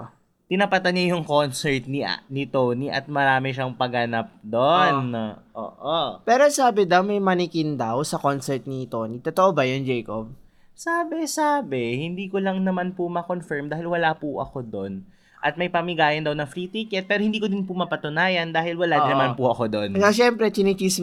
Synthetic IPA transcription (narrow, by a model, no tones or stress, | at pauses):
t̪ɪnɐpɐt̪anːajʊŋkonsɛɹt̪̚ninɪt̪oniʔɐ̰t̪̚mɐɾaːmɛʃɐŋpɐɡɐnap̚d̪onʔo̰ːʔopɛːɾosaːbɪd̪ɐwmɐjmɐnɪkɪnd̪ɐwsɐkonsɛɹt̪̚nit̪o̞nit̪ot̪oʔobɐjond͡ʒɛjkob̚ | saːbɛsaːbɛhɪnd̪iːkolɐŋnɐmanpʊmɐkonfɛɹmd̪aːhɪlwɐlapʊʔɐ̰kod̪on | ʔɐt̪̚mɐjpɐmɪɡaːjɐnd̪ɐwnɐŋfɾiːt̪ikɛt̪̚pɛːɾohɪnd̪iːkod̪ɪnpʊmɐpɐt̪ʊnaːjɐnd̪aːhɪlwɐlad̪nɐmanpʊʔɐkod̪onaʃɛmpɾɛt͡ʃ̪inɪt͡ʃis